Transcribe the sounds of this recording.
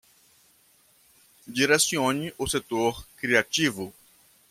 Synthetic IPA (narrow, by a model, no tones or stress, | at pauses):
d͡ʒiɾesiõɲiʔʊset̪oɾkɾiat͡ʃivʊ